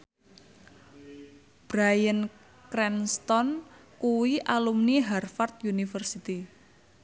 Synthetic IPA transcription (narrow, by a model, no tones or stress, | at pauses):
b̥ɾajən | kɾɛnst̪ɔnkuwiʔalumniɦarfart̪̚junifərsit̪i